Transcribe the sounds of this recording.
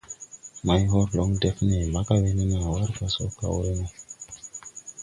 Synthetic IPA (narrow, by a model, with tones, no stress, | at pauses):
ma˨jɦo˦ɾlo˨˦ŋde˦fne˨la˦ka˦we˦ne˦na˨wa˦ɾka˨so˦ka̰˨wɾe˦na˨